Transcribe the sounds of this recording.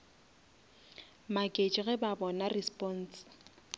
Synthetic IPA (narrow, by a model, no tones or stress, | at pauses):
makʼet͡ʃʼɣɛbabɔnarispʼɔn̩s